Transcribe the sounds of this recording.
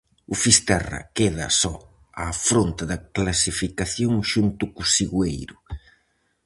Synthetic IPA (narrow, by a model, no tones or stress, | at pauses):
ʊfist̪ɛrɐ̰keðɐ̰sɔ | afɾont̪aðɐklasifikaθjoŋʃunt̪ʊkusiɣwejɾʊ